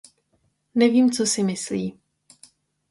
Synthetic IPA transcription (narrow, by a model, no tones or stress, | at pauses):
nɛviːmt͡sosɪmɪsliː